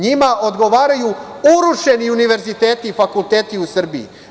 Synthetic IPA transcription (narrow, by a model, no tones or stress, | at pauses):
ɲimaʔo̞d̪ɡo̞ʋaːɾajuuɾuʃe̞niuniʋe̞ɾzit̪e̞ːt̪ifakult̪e̞ːt̪iusr̩bḭː